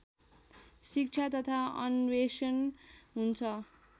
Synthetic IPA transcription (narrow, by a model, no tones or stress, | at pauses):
sik̚t͡sʰat̪ʌt̪ʰaʌ̰nwesʌnɦunt͡sʰʌ